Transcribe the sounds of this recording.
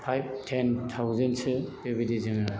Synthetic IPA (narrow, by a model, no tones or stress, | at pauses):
pʰajb̚tʰentʰawzentsɯdebidizɯŋɯ